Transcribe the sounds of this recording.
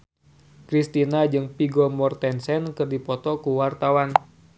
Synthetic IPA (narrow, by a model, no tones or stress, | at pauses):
kɾist̪inad͡ʒɨŋpiɡɔmɔrt̪ɛnsɛnkɨrdipɔt̪ɔkuwart̪awan